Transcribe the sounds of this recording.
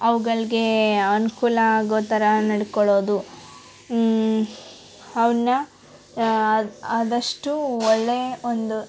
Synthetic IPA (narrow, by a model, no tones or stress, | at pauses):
ɐʋuɡɐɭiɡe̞ɐnukuːlɐɡoːt̪ɐɾɐnɐɽkɔɭo̞ːd̪u | ɐʋɐnːɐ | ɐd̪ɐʂʈuɔɭːe̞ond̪u